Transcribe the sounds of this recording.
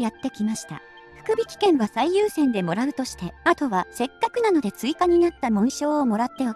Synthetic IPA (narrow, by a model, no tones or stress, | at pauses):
jat̪ːe̞kʲimaɕi̥t̪a̰ | ɸɯ̟̥kɯ̟bʲikʲi̥kẽ̞ɰ̃βasaijɯːsẽ̞nd̪e̞mo̞ɾaɯ̟t̪o̞ɕi̥t̪e̞at̪o̞βase̞kːakɯ̟nano̞d̪e̞t͡sɨikaɲ̟inat̪ːamõ̞ɰ̃ɕo̞ːmo̞ɾat̪ːe̞o